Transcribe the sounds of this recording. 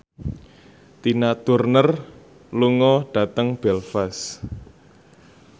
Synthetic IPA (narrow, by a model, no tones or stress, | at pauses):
t̪inat̪urnər | luŋɔɖ̥ä̤t̪əŋb̥ɛlfas